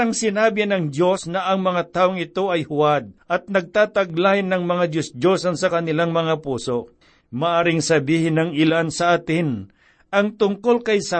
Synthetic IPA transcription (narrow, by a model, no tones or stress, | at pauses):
ɐŋsɪnaːbɪanɐŋd̪jo̞snɐʔɐŋmɐŋat̪aːʔoŋɪt̪o̞ɐjhʊwad̪̚ʔɐt̪̚nɐɡ̚t̪aːt̪ɐɡlaːhɪnːɐŋmɐŋad̪josdosɐnsɐkɐnɪlaŋmɐŋapuːso̞ʔ | maʔaːɾɪŋsɐbiːhɪnɐŋɪlansɐʔaːt̪ɪn | ɐŋt̪ʊŋko̞lkɐjsa